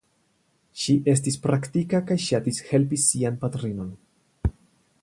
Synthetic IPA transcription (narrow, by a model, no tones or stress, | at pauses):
ʃiʔe̞s̬tispɾaktikakajʃatishe̞lpisianpatɾino̞n